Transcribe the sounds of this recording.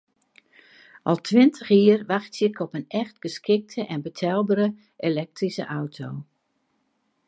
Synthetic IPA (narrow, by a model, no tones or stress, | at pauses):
ʔɔlˠtʰʋɪntʰəxiərʋaxtjəkʰɔpənɛxtɡ̥əskʰɪk̚tʰəʔɛnbətʰɛlˠbəɾə | ʔelɛk̚trisə̰ʔawtʰoː